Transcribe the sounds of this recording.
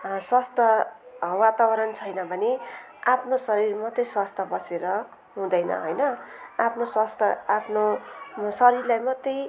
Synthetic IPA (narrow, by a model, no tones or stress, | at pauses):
swast̪ʰʌwat̪abʌɾʌnt͡sʰʌjnʌbʱʌne | apʰnosʌɾirmʌt̪ːʌjswast̪ʰʌbʌseɾʌ | ɦũd̪ʌjnʌ̰ɦʌjnʌapʰnoswast̪ʰʌapʰnosʌɾirlajmʌt̪ːʌj